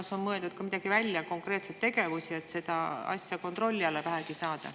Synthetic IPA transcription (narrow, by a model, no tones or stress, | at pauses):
so̞nmɤ̞eld̪ut̪̚kɑmid̪̥ɑɡ̥ivælʲːjɑko̞ŋkre̞ːt̪se̞t̪ːe̞ɡe̞vusie̞t̪se̞d̪̥ɑɑ̰sʲjɑko̞nt̪ro̞lʲːiɑlːevæɦæɡ̥isɑːd̪̥ɑ̰